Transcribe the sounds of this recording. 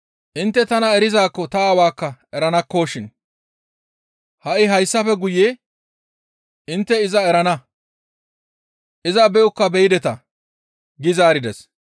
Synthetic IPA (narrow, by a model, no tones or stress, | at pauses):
ʔɪnt̪ːɛt̪ɐnɐɛɾɪzaːkːɔt̪ɐːwaːkːɐɛɾɐnɐkːo̞ːʃɪn | hɐʔɪɦɐjsːɐfɛɡʊjeː | ʔɪnt̪ːɛɪzɐɛɾɐnɐ | ʔɪzɐbɛʔʊkːɐbɛjɪd̪ɛt̪ɐ | ɡɪzaːɾɪd̪ɛs